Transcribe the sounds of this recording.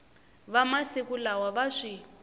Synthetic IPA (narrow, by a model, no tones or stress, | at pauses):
βamasikulawaβaʂi